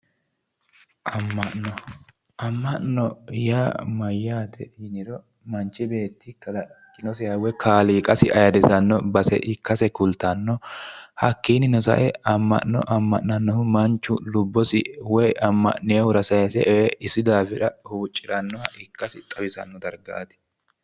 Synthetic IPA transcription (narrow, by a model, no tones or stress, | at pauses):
ʔɐmːɐnɔ | ʔɐmːɐʔnɔjaːmɐjːaːt̪ɛɪnɪɾɔ | mɐnt͡ʃːɪbe̞ːt̪ʰːɪkɐlɐkʼːɪnɔsɛjɐwɛkʰaːliːkʼɐsɪʔɐjɐd̪ɛsɐnːɔbɐsɛ̰ʔɪkːɐsɛkʊlt̪ːɐnːɔhɐkːiːnɪnɔsɐ̰ʔɛɐmːɐ̰ʔnːɔ̰ʔɐmːɐʔːɐnːɔhʊmɐnt͡ʃːʊlʊbːɔsɪwɔjɐmːɐ̰ʔnːɛɐhʊɾɐsɐjɐsɛʔɛwɛʔɪsːɪd̪aːfɛᶑɐhuːt͡ʃʼːɪɾɐnːɔhɐɪkːɐsɪt̪ʼɐbɪsɐ̰nːɔd̪ɐɾɡa̰ːt̪ɪ̥